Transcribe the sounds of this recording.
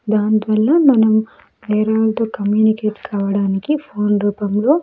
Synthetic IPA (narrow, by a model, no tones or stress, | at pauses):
d̪aːnit̪ʋɐlːɐmɐnɐmu | nɛːɾaːlt̪oːkɐmjuːnikeːʈkaːʋɐɽaːnikipʰoːnɾuːpɐmlo̞ː